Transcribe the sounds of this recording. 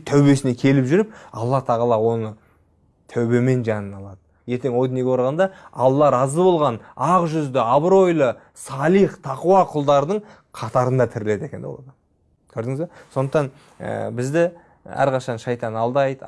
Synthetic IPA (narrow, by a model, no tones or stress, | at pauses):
t̪ʰæwbe̞sɪnekʲʰe̞lɪpʒʏɾɪp̚ɑ̰lˠːɑt̪ʰɑʁɑlˠɑwo̞nə | t̪ʰæwbe̞me̞nʒɑnənɑlˠɑd̪ə | je̞ɾt̪e̞ŋwo̞jd̪ɑneɡʲeɾʁɑnd̪ɑɑ̰lˠːɑɾɑzəbo̞lˠʁɑnɑqʒʏzd̪ɪɑbɾo̞jlˠə | sɑlˠiχt̪ʰɑqʊwɑqʰʊlˠd̪ɑɾd̪əɴ | qʰɑt̪ɑɾənd̪ɑt̪ʰɪɾɪle̞d̪e̞kʲe̞nb̰lˠɑ̰d̪ | kʲʰɵɾd̪ɪŋɪzbeso̞nd̪əqt̪ɑn | ə̰bɪzd̪ɪ | æ̰ɾqʰɑʃɑnʃɑjt̪ɑnɑlˠd̪ɑjd̪ə